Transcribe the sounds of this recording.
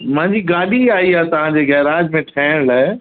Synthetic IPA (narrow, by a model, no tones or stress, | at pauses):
mɐ̃ɦɪ̃ɲd͡ʑiɡaːɗiaːɦiaːt̪ɐʋ̤ãd͡ʑeɡɛɦɾaːd͡ʑmẽʈʰɛːɽ̃laː